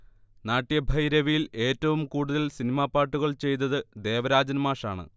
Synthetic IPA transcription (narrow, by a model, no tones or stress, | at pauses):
naːʈːijɐbʱɐjɾɐʋijile̞ːtːɐʋumkuːɽuðɐlsinimaːpːaːʈːuɣɐɭt͡ɕe̞jt̪̬ːɐðɨd̪e̞ːʋɐɾaːd͡ʑɐnmaːʂaːɳɨ̰